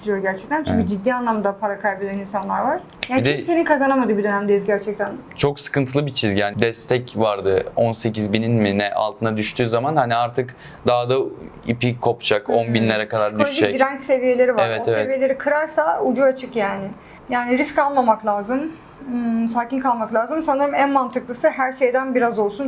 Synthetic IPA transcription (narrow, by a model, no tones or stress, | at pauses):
t̪ʰiɾijo̞ɟæɾt͡ʃʰɛ̥c̚t̪ʰænt͡ʃyɲʲcyd͡ʒid̪ːiːanlˠamd̪apʰaɾakʰajbelʲaninsanlˠaɾvaɾ̥ | aːnd̪iɛse̞ninkʰazanamad̪ɯːbid̪ø̞næmd̪ejizɟæɾt͡ʃʰɛc̚t̪ʰænt͡ʃʰo̞ksɯ̥kɯnt̪ʰɯlˠɯbit͡ʃʰizɟaːnd̪ɛst̪ʰɛcvaɾd̪ɯonse̞cizbininminɛʔa̰lˠt̪ʰɯnad̪yʃt̪ʰyːzamanhaniaɾt̪ʰɯk | d̪aɦd̪a | ḭpikʰo̞pt͡ʃʰakonbinlʲe̞ɾɛkad̪aɾblʲeʃeiɾænt͡ʃse̞vije̞lʲe̞ɾivaeɾvɛt̪eveɛvije̞lʲe̞ɾikʰɯɾaɾsaud͡ʒuat͡ʃʰɯkjaːnɪ | jaːniɾiskalˠmamaklʲˠaːzɯmː | saːcinkʰalˠmaklʲˠaːzɯmsanɯɾɯmænmant̪ʰɯklˠɯsɯɦæɾʃe̞jd̪ænbiɾazo̞lˠsun